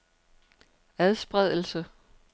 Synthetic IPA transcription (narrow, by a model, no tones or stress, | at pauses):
æðˠsb̥ʁɛð̰ˠl̩sə